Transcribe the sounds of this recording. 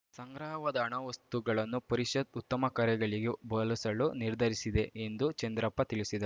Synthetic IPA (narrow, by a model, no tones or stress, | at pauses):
sɐŋɡɾaːʋɐd̪ɐːɳɐʋɐst̪uɡɐɭɐnːupɐɾiʃɐd̪ut̪ːɐmɐkɐɾjɐɡɐɭiɡebɐːlɐsɐɭuniɾd̪ʱɐɾisid̪e̞end̪ut͡ʃend̪ɾɐpːɐt̪iɭisid̪ɐɾ